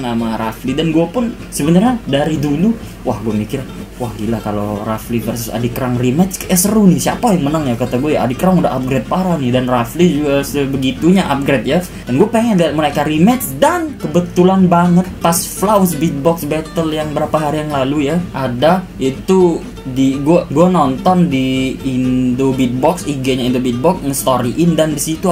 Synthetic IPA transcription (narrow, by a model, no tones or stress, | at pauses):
namaɾʔa̰flidanɡuapʊn | səbənarɲadaɾidulu | wahɡuamikiɾwahɡilakaloraflifərsʊsa̰dikəɾaŋrimɛt͡ʃkəʔɛsərunɪhsiapajaŋmənaŋjakat̪aɡuajaa̰dikəɾaŋuda̰ɦa̰p̚ɡɾet̪̚paɾanɪhdanraflid͡ʒuɡasəbəɡit̪uɲaʔap̚ɡɾet̪̚ja | danɡuapeŋɛdat̪̚məlakaɾimɛt͡ʃsdankəbət̪ulanbaŋət̪̚pasflawsbit̪̚bɔksbɛt̪əljaŋbəɾapaɦaɾijaŋlalujaʔada | it̪u | diɡuaɡuanɔnt̪ɔndiːndobit̪̚bɔksiɡeɲaindobit̪̚bɔk̚məst̪oɾiʔɪndandisit̪u